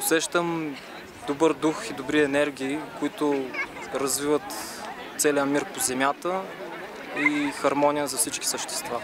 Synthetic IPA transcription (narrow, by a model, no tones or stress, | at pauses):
ʊsɛʃt̪əm | d̪obɤɾd̪uxid̪obɾiɛnɛɾɡ̟ʲiːkʊit̪ʊɾɐzvivət̪ | t̪sɛlijəmiɾpozɛmʲjat̪ə | ixɐɾmɔnʲijəzɐfsit͡ʃki̥səʃt̪ɛ̥st̪va